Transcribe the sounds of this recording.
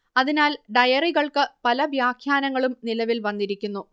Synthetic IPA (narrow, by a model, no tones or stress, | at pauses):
ɐðinaːlɖɐjɐriɣɐɭkɨpɐlɐʋjaːkʰjaːnɐŋːɐɭumnilɐʋilʋɐnːiɾikʲːunːu